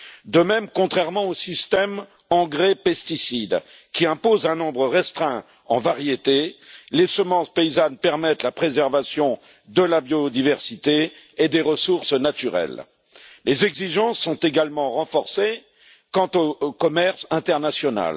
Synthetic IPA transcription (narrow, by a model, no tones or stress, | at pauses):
d̪əmɛmkɔ̃t̪χɛʁmɑ̃osist̪ɛm | ɑ̃ɡʁepɛst̪isid̪ | kʲiɛ̃pozɛ̃nɔ̃bʁəʁɛst̪χɛ̃ | ɑ̃vaʁjet̪elesəmɑ̃speizanpɛʁmɛt̪lapχezɛʁvasjɔ̃ | d̪əlabjod̪ivɛʁsit̪eː | d̪eʁəsuʁsnat̪yʁɛ̰lː | ezɛɡziʒɑ̃sːɔ̃t̪eɡalmɑ̃ʁɑ̃fɔʁse | kɑ̃t̪okɔmɛʁsɛ̃t̪ɛʁnasjɔna̰l